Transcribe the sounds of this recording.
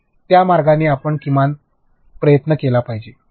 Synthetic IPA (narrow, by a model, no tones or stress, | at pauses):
t̪jamaɾɡanːiːapəɳkiman | pɾəjət̪nəkelapaɦid͡ʑe